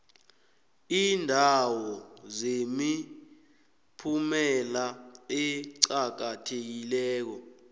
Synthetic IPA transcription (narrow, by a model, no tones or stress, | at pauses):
iːndʱawɔzemi | pʰumɛlaeǀak̬atʰek̬ilɛːk̬ɔ